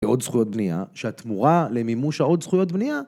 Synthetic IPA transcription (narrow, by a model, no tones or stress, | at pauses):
eo̞d̪sχujo̞t̚bnia̰ʃeat̪muʁale̞mimuʃhao̞d̪sχujo̞t̪̚bnia